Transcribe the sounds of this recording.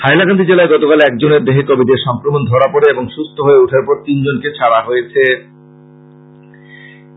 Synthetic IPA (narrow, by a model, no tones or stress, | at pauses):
hajlakand̪id͡ʑelaeɡɔt̪okalɛk̚d͡ʑoneɾd̪eɦekobid̪eɾʃɔŋkɾomond̪ʱɔɽapoɽeeboŋʃust̪ʰoɦoeuʈʰaɾpɔɾt̪ind͡ʑonket͡ɕʰaɽaɦojet͡ɕʰe